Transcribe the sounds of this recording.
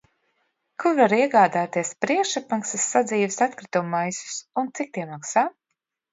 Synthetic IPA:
kuɾvaɾiɛɡaːd̪aːt̪iɛspɾiɛkʃap̚maksasːad̪ziːvɪsat̪kɾɪt̪umːajsu̥sunt̪sik̚t̪iɛmaksaː

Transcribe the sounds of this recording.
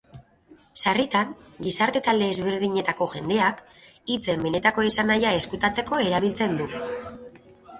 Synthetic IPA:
sarit̪aŋɡisaɾt̪e̞t̪ald̪e̞ːzβeɾðiɲe̞t̪ako̞ʝe̞nd̪e̞ak | it͡se̞mbe̞ne̞t̪ako̞e̞sanajae̞skut̪at͡se̞ko̞e̞ɾaβ̞ilt͡se̞nd̪u

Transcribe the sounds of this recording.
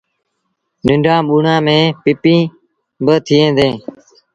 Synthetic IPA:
nɪ̃ɳɖʱãːɓuːɳãːmẽːpɪpĩː | bət̪ʰɪːẽːd̪ẽː

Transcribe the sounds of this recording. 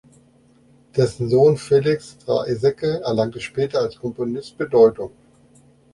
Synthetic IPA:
d̥ɛsn̩zoːnfeːlɪkstʁa̰ːʔezɛkəɛɐlaŋtəʃpɛːtɐalskʰɔmponɪst̚b̥ədɔʏtʊŋ

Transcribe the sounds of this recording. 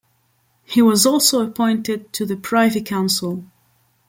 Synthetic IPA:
hiwʌzɔlˠsoʊəpʰɔ̃ɪ̃ntɪd̚tʰɨðɨpʰɹ̥aɪvɨt̚kʰãʊ̃nsl̩ˠ

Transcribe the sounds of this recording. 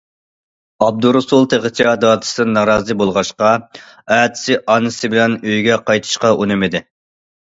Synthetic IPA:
ɑb̚d̪uɾusulˠt̪ʰeʁɨt̪ʰjɑːd̪ɑːt̪ʰɨ̥sɨd̪ɨnːɑɾɑːzɨbolˠʁɑʃqɑ | ɛːt̪ʰɪ̥sɪʔɑnɨsɨbɪlɛnøjɡʲɛqʰɑjt̪ʰɨ̥ʃqɑʔunɨmid̪ɪ

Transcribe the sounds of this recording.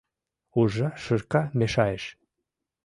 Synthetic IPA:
oʒɑʃəɾkɑmeʃɑeʃ

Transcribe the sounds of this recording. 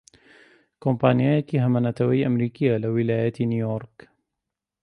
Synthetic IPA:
kompaːnijaːjɐkiɦɐmɐnɐt̪ɐwɐjʔɐmɾiːkijalɐwilaːjɐt̪inijoɾk

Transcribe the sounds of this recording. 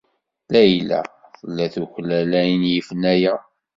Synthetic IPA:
læjlːæ̰θəlːæθuçlælæjənjifnæjæ

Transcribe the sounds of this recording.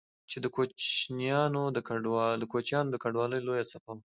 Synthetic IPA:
t͡ʃed̪əkot͡ʃnijɑnod̪əkawd̪əkot͡ʃjɑnod̪əkaɖwɑləjlojasapaw

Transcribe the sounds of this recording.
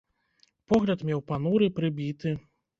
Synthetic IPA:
pɔɣlʲɐt̪mʲɛwpanuɾɨpɾɨbʲit̪ɨ

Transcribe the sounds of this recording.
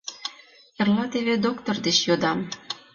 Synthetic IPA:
erlɑt̪eβed̪okt̪ord̪et͡ɕjod̪ɑm

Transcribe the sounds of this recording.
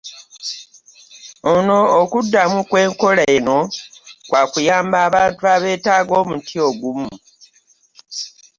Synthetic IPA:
ono̞ːkudːamukwe̞ːŋko̞laeno̞kwaːkujaːmbaːβaːntuaβe̞ːtaːɡo̞ːmutʰio̞ɡumu

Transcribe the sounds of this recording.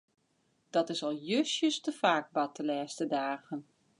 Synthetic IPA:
d̥ɔtɪsɔlˠjøsjəstəfaːk̚batʰəlɛːstədaːɣən

